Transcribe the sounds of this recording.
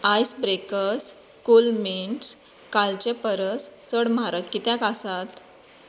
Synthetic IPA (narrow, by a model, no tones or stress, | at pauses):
ajsbɾekəskulmeɳs | kalt͡ɕepəɾəst͡səɽmaɾəkkit̪jakasat̪